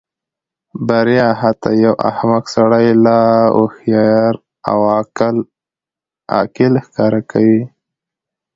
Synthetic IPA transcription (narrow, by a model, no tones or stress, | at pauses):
baɾjɑɦat̪a̰jawʔa̰hmaksaɽajlao̰hjɑɾ | a̰wl | ɑ̰kɪlxkɑɾakawi